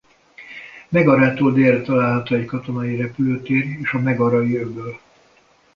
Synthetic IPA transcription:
mɛɡɒɾaːt̪oːld̪eːrːɛt̪ɒlaːlɦɒt̪oːɛckɒt̪o̞nɒiɾɛpyløːt̪eːreːʃɒmɛɡɒɾɒiøbøːl

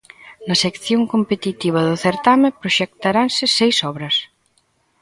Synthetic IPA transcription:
nɐsekθjoŋkompet̪it̪iβ̞ɐðʊθeɾt̪amepɾoʃek̚t̪aɾansɪsɛjsɔβɾɐs

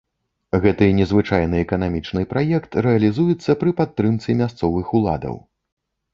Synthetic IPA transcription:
ɣɛt̪ɨnʲɛzvɨt͡ʂajnɨɛkɐnamʲit͡ʂnɨpɾajɛkt̪ɾɛɐlʲizujɛt̪sːɐpɾɨpat̪ːɾɨmt̪simʲast̪sɔvɨxulˠa̰d̪ɐ̰w

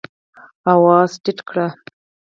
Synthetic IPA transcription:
awɑːzʈiʈkɽa

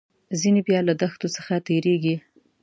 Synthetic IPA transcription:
zinebjɑlad̪axt̪osəxat̪eɾeɡi

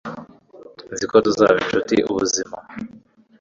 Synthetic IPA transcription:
nzikoduzajint͡ʃutḭʔṵβuzima

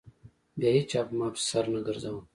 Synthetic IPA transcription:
bjaːet͡ʃaːpmaːpsɐɾnəɡəɾzawum

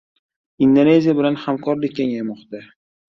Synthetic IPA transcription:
ind̪one̞zijabɪlanhamkʰɒɾlɪk̚ʲːeŋajmɒqt̪a

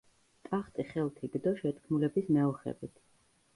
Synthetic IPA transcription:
t̪ʼaχt̪ʼiχɛlˠt̪ʰiɡ̥d̪ɔʃɛt̪ʰkʰmulɛbismɛɔχɛ̰bit̪ʰ

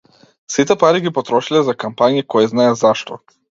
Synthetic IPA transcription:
sit̪ɛpaɾiɡipɔt̪ɾɔʃilɛzakampaɲikɔjɛznaɛzaʃt̪ɔ

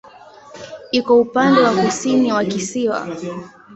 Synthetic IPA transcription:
ikɔupandɛwakusiniwakisiwa̰

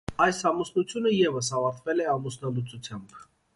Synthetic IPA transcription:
ɑjsɑmusnut͡sʰjunəjɛvəs̬ɑvɑɾt̪ʰvɛlɛɑmusnɑlut͡sut͡sʰjɑmb

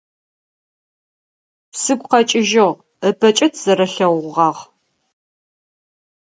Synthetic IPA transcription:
sɨɡʷqɐt͡ʃʼɪʒɨʁ | əbʰɐt͡ʃʼɪtʰz̥ɐɾɐɬɐwʷʁɑːʁ

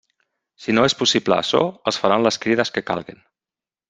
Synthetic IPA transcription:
sinoespusiplə̰ːsɔ̰əlˠsfaɾanləskɾiðəskəka̰lˠɣin

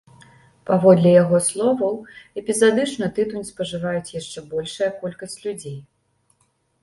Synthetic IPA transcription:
pavɔd̪lʲɛjaɣɔslˠɔvɐwɛpʲizad̪ɨt͡ʂnɐt̪ɨt̪unʲspɐʐɨvajut͡sʲjaʂt͡ʂɛbɔlʲʂɐjɐkɔlʲkɐsʲt͡sʲlʲud͡zʲej

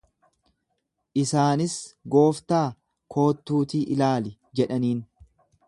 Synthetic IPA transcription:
ʔɪsaːnɪsɡo̞ːft̪aː | kʰo̞ːt̪ːuːt̪iːʔɪlaːlɪ | d͡ʒɛᶑɐniːn

